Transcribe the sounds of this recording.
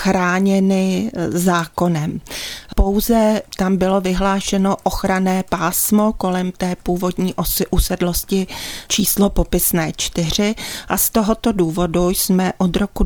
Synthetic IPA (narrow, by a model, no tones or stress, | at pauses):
xɾaːɲɛnɪzaːko̞nɛmpo̞wzɛt̪ambɪlo̞vɪɦlaːʃɛno̞ʔoxɾanɛːpaːsmo̞ko̞lɛmt̪ɛːpuːvo̞dɲiːʔʔusɛdlo̞scɪt͡ʃiːslopo̞pɪsnɛːt͡ʃt̪ɪr̝ɪʔast̪o̞ɦot̪o̞duːvo̞dujsmɛʔod̪ɾo̞ku